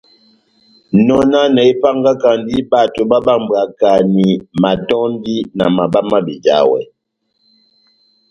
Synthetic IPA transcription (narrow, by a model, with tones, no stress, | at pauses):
nɔ˨na˦nɛ˨i˦pa˦ŋɡa˦ka˨n˦di˦ba˦˨to˨ba˦ba˦˨m˨ba˨ka˨ni˨ma˨tɔ˦n˦di˦na˨ma˨ba˦ma˦bi˨d͡ʒa̰˦wɛ̰˨